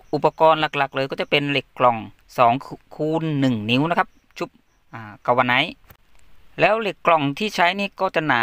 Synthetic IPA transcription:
ʔu˨˩pːa˧kɔː˧nla˨˩k̚la˨˩k̚lɤː˧kɔː˥˩t͡ɕa˧˩pe˧nle˨˩kːlɔ˨˩ŋ | sɔː˩˦ŋkʰuː˧nːɯ˨˩ŋni˧˦˥wna˧˥kʰp̚ | t͡ɕʰu˧˦˩p̚ | ʔaː˧˩ka˨˩wa˧na˧˦˥j | lɛː˦˥wle˨˩kːlɔ˨˩ŋt̪ʰiː˥˩t͡ɕʰa˦˥jniː˥˩kɔː˥˩t͡ɕa˧˩naː˨˦

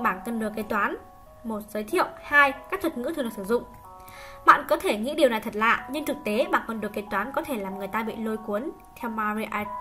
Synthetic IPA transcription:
ɓaː˧˩nt̪ə˧mɗɨ˨˩əke˨˦t̪waː˨˦n | mo˨˩t̚zəː˨˦jt̪ʰḭ˧˨əwhaː˧jkaː˦˥k̚t̪ʰə˨˩t̚ŋɨ̰˧˥t̪ʰɨ˧˨ə˨˩sɨ˧˩zʊ̰˧˨ŋ͡m | ɓa̰ː˧˨nkɔ˨˦t̪ʰe˧˩ŋḭ˧˥ɗi˨˩wna˨˩jt̪ʰə˨˩t̚la̰ː˧˨ɲɨ˧ŋt͡ɕɨ˨˩k̚t̪e˨˦ɓa̰ː˧˨nkɔ˨˩nɗɨ˨˩əkːe˨˦jt̪waː˨˦nkɔ˨˦t̪ʰe˧˩laː˨˩mŋɨ˨˩əjt̪aː˧ɓḭ˧˨lo˧jku˨˦ən | t̪ʰɛ˧wmaː˧ɾi˧ʔa˧

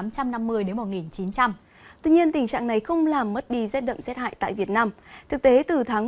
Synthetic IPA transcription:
a˨˦mt͡ɕa˧mna˧mːɨ˧əjɗe˨˦nmo˨˩ŋi˨˩nt͡ɕi˨˦nt͡ɕa˧m | t̪wi˧ɲi˧ənt̪ï˨˩ŋ̟t͡ɕa̰ː˧˨ŋna˨˩jxə˧wŋ͡mlaː˨˩mːə˦˥t̚ɗi˧zɛ˦˥t̚ɗə̰˧˨ŋ͡mmsɛ˦˥t̚ha̰ː˧˨jt̪a̰ː˧˨jvi˨˩ət̚naː˧mt̪ʰɨ˨˩k̚t̪e˨˦t̪ɨ˨˩t̪ʰaː˨˦ŋ

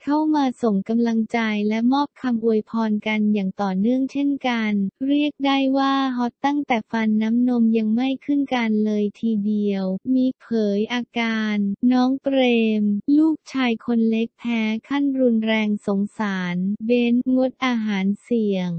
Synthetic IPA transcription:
kʰa˥˩wmaː˧so˨˩ŋka˧mla˧ŋt͡ɕa˧jlɛ˦˥mɔː˥˩p̚kʰa˧mʔu˧˩əjpʰɔː˧nka˧njaː˨˩ŋt̪ɔː˨˩nɯ˥˩əŋt͡ɕʰe˥˩nka˧nɾi˥˩ək̚da˥˩jwaː˥˩ɦɔ˦˥t̪ːa˥˩ŋt̪ɛː˨˩fa˧nːa˦˥mno˧mja˧ŋma˥˩jkʰɯ˥˩nka˧nlɤː˧jt̪ʰiː˧di˧əwmiː˧pʰɤː˩˦jʔaː˧kaː˧nːɔː˦˥ŋpɾeː˧mluː˥˩k̚t͡ɕʰaː˧jkʰo˧nle˦˥k̚t̪ʰɛː˦˥kʰa˥˩nɾu˧nɾɛː˧ŋso˩˦ŋsaː˩˦nbe˦˥nŋo˦˥t̪̚ʔaː˧ɦaː˩˦nsi˨˩əŋ

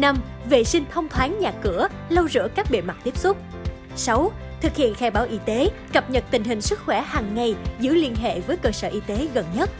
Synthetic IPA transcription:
na˧m | vḛ˧˨sï˧ŋ̟t̪ʰə˧wŋ͡mt̪ʰwaː˨˦ŋɲaː˨˩kɨ˧˩ə | lə˧wzɨ̰˧˥əkaː˦˥k̚ɓḛ˧˨˩ma˨˩t̪i˦˥p̚sʊ˦˥k͡p̚ | sa˨˦w | t̪ʰɨ˨˩k̚hḭ˧˨ənxaː˧˩jɓaː˨˦wʔi˧˦t̪e˨˦kə˨˩p̚ɲə˨˩t̚t̪ï˨˩ŋ̟ɦï˨˩ŋ̟sɨ˦˥t̚xwɛ˧˩haː˨˩ŋːa˨˩jzɨ̰˧˥li˧ənɦḛ˧˨vəː˨˦jkəː˧səː˧˩ʔi˧t̪e˨˦ɣə˨˩nɲə˦˥t̚

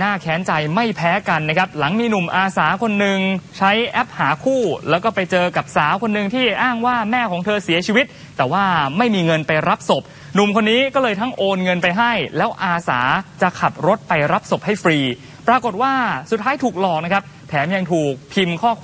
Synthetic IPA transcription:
naː˥˩kʰɛː˦˥nt͡ɕa˧jma˥˩jpʰɛː˦˥ka˧nːa˦˥kʰa˦˥p̚la˩˦ŋmiː˧nu˨˩mʔaː˧saː˩˦kʰo˧nːɯ˨ŋt͡ɕʰa˦˥jʔɛ˦˥p̚haː˩˦kʰuː˥˩lɛː˦˥wkɔː˥˩pa˧jt͡ɕɤː˧ka˨˩p̚saː˩˦wkʰo˧nːɯ˨˧ŋt̪ʰiː˥˩ʔaː˥˩ŋwaː˥˩mɛː˥˩kʰɔː˩˦ŋt̪ʰɤː˧si˩˦ɐt͡ɕʰiː˧wi˦˥t̪̚ːɛː˨˩waː˥˩ma˥˩jmiː˧ŋɤ˧npa˧jɾa˦˥p̚so˨˩p̚ | nu˨˩mkʰo˧nːiː˦˥kɔː˥˩lɤː˧jt̪ʰa˦˥ŋʔoː˧nŋɤ˧npa˧jɦa˥˩jlɛː˦˥wʔaː˧sa̰ː˩˦t͡ɕa˨˩kʰa˨˩p̪̚ɾo˦˥t̪̚pa˧jɾa˦˥p̚so˨˩p̚ha˥˩jfɾiː˧ | pɾaː˧ko˨˩t̪̚waː˥˩su˨˩t̪ʰːaː˦˥jt̪ʰuː˨˩k̚lɔː˨˩k̚na˦˥kʰa˦˥p̚ | t̪ʰɛː˩˦mja˧ŋt̪ʰuː˨˩k̚pʰi˧mkʰɔː˥˩kʰː

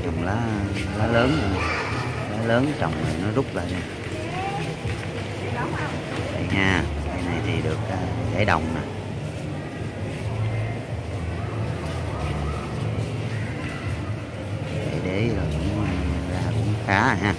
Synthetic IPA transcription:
t͡ɕɔ˨˩wŋ͡mlaː˨˦˧laː˨˦ləː˨˦na˧˨ | laː˨˦ləː˨˦nt͡ɕə˨˩wŋ͡mnə˨˩nɔ˨˦zʊ˦˥k͡p̚laː˨˩ɲaː˧˨˩ | va̰˧˨˩jɲaː˧ka˧jna˨˩jt̪ʰi˨˩ɗɨ˨˩ək̚ʔa˨˦za̰ː˧˩jɗə˨˩wŋ͡mna˨˩˨ | a̰˧˩jɗe˨˦laː˨˩kʊ̰˧˥ŋ͡mzaː˧kʊ̰˧˥n˦xaː˨˦ɦaː˧

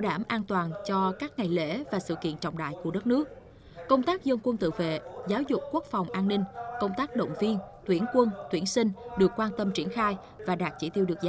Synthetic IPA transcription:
wɗaː˧˩mʔaː˧nt̪waː˨˩nt͡ɕɔ˧kaː˦˥k̚ŋa˨˩jlḛ˧˥vaː˨˩sɨ̰˧˨kḭ˧˨ənt͡ɕɔ̰˧˨ŋ͡mɗa̰ː˧˨jku˧˩əɗə˦˥t̚nɨ˦˥ək̚ | kə˧wŋ͡mt̪aː˦˥k̚zə˧nkwə˧nt̪ɨ̰˧˨vḛ˧˨zaː˨˦wzʊ˨˩k͡p̚kːu˦˥ək̚fa˨˩wŋ͡mʔaː˧nːï˧ŋ̟kə˧wŋ͡mt̪aː˦˥k̚ɗə̰˧˨wŋ͡mvi˧ənt̪wi˧˩ənkwə˧nt̪wi˧˩ənsï˧ŋ̟ɗɨ˨˩əkːwaː˧nt̪ə˧mt͡ɕi˧˩ənxaː˧j | vaː˨˩ɗaː˨˩t̚t͡ɕi˧˩t̪i˧əwɨ˨˩ək̚z

